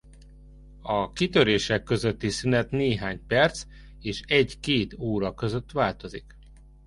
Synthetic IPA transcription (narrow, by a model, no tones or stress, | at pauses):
ɒkit̪ø̞ɾeːʃɛkːø̞zø̞t̪ːisynɛt̪neːɦaːɲpɛrt̪s | eːʃɛɟkeːt̪oːɾɒkø̞zø̞t̪ːʋaːlt̪o̞zik